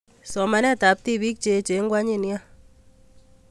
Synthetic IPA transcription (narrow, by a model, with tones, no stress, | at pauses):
sɔ˨ma˨nɛ˦ta˨p̚ti˦βi˦k̚t͡ʃe˦t͡ʃe˨˦ŋɡwa˦ɲi˦˨nja˦